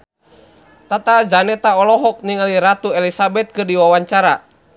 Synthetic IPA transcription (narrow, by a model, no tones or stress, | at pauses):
t̪at̪ad͡ʒanɛt̪aɔlɔɦɔk̚niŋaliɾat̪uɛlisabɛt̪̚kɨrdiwawaɲt͡ʃaɾa